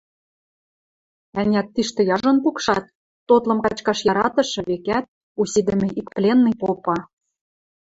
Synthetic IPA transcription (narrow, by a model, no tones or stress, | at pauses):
ænʲæt̪ːiʃt̪ĕjɑʒŏnpukʃɑt̪̚ː | ot̪lɤ̆mkɑt͡ɕkɑʃjɑɾɑt̪ɤ̆ʃɤ̆βekæt̪̚ | usid̪ɘ̆mʲɘ̆ikplʲenːijpopɑ